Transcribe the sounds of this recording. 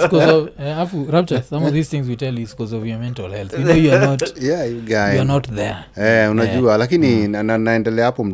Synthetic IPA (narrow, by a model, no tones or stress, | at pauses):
kɔzɔvaafuɹap̚t͡ʃəsãmɔvðiz̥θɪ̃ŋzwitɛlˠjuskɔzɔvjɔmɛ̃ntalˠhɛlˠθjunnoʊjuanɔtjajuɡajnɔtðɛ˞ | ɛunad͡ʒualakininananaɛ̃ndɛlɛapɔm̩